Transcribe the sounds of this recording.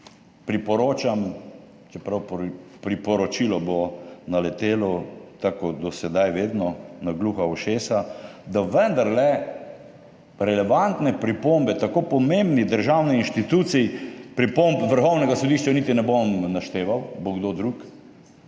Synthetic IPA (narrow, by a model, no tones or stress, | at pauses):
pɾipɔɾoːt͡ʃam | t͡ʃɛpɾawppɾipɔɾɔt͡ʃilɔbonalɛt̪eːlɔt̪akod̪ɔsɛd̪ajʋeːd̪nɔnaɡluxauʃeːsad̪aʋənd̪aɾlɛ | ɾɛlɛʋant̪nɛpɾipombɛt̪akopɔmembnid̪əɾʒawnɛinʃt̪it̪ut̪sipɾipompʋəɾxɔwnɛɡasɔd̪iʃt͡ʃanit̪inɛbomnaʃt̪eːʋawboɡd̪od̪ɾuk